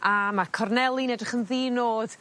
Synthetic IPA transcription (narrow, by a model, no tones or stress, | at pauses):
amakʰɔrnɛlˠinɛdrɪχənðiːnoːð̥